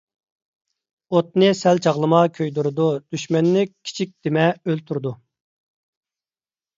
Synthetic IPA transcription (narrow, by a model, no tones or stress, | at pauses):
ot̪nɨsɛlt͡ʃʰɑʁlˠɨmɑkʲʰøjd̪uɾɨd̪ud̪̥yʃmɛnːɪkkʲʰːi̥t͡ʃʰik̚ʲd̪̥emɛølt̪ʰuɾɨd̪u